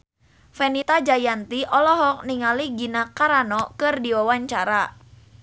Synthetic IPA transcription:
fɛnit̪ad͡ʒajant̪iʔɔlɔɦɔk̚niŋaliɡinakaɾanɔkɨrdiwawaɲt͡ʃaɾa

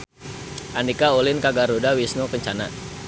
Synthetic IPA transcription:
ʔanikaolɪnkaɡarodawisnokəɲt͡ʃana

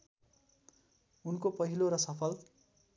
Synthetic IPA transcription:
unkopʌɦiloɾʌsʌpʰʌl

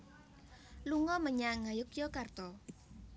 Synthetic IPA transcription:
luŋɔməɲaŋajʊkjɔkart̪ɔ

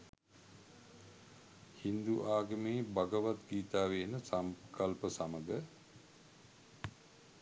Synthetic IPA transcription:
hind̪uʔaːɡəmeːbaɡəʋat̪ɡiːt̪aːʋeːnəsamkʰalpəsaməɡə

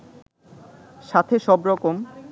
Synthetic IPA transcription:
ʃat̪ʰeʃɔbɾɔkom

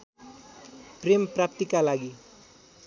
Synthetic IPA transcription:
premprap̚t̪ikalaɡi

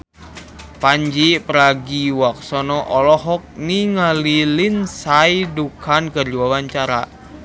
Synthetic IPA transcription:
paɲd͡ʒipɾaɡiwak̚sɔnɔʔɔlɔɦɔk̚niŋalilinsajdukankərd͡ʒuwawaɲt͡ʃaɾa̰

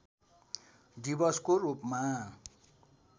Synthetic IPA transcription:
dibʌskoɾupma

